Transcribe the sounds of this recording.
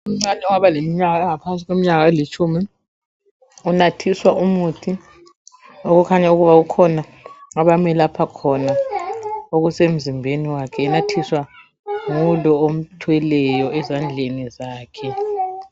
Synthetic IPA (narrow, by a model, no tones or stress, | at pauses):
um̩ŋ͡ǀanɛuŋaβalemiɲaɣaɛŋapʰans̬ʼiɣwemiɲaɣaɛlit͡ʃʼʰumi | unatʰiswaumutʰi | ɔɣukʰaɲauɣuβaukʰɔnaŋaβamɛlapʰakʰɔna | oɣusem̩zimbʱeniwakʰɛːnatʰiswa | ŋulɔom̩tʰwɛlɛjɔɛzand͡ɮʱenizaːkʰɛ